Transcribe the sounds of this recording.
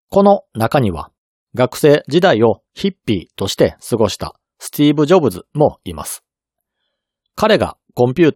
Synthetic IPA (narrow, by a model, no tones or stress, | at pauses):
ko̞no̞nakaɲ̟iβa̰ | ɡakɯ̟̥se̞ːd͡ʑid̪aio̞ | çipʲːḭːt̪o̞ɕi̥t̪e̞sɨɡo̞ɕi̥t̪a̰ | sɨ̥t̪ʲiːbɯ̟ʑo̞bɯ̟zɨmo̞ima̰sɨ̥ | kaɾe̞ɡa̰ | kõ̞mpʲɨː